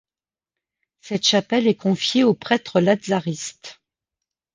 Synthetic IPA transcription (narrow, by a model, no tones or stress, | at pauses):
sɛt̪ʃapɛlɛkɔ̃fjeopχɛt̪χəlad̪zaʁist̪